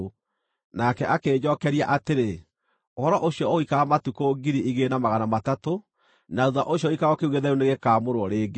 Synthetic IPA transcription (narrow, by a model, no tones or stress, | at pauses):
nakɛʔakeːd͡ʑɔkɛɾiaʔateɾe | ohɔɾɔʔoɕiɔoikaamatukoɡiɾiʔiɣenamaɣanamatato | nauðaʔoɕjɔikaɣɔkeuɣeðɛɾuneɣekaːmoɾwɔɾeːɡe